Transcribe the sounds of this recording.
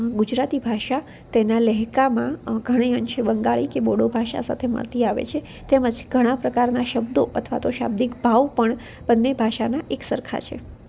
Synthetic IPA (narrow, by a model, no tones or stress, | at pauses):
ɡud͡ʒɾat̪ibʱaʃa | t̪enaləɦkamãɡʱəɽ̃ejənʃebəŋɡaɭikeboɽobʱaʃa̰sa̰t̪ʰemə̰ɭt̪iaʋḛt͡ʃʰe | t̪eməd͡ʒɡ̥ʱəɽ̃ãpɾəkaɾnaʃəbd̪oʔət̪ʰʋa̰t̪oʃa̰bd̪ikbʱaʋpəɳ | bənːebʱaʃanaʔeksəɾkʰa̰t͡ʃʰḛ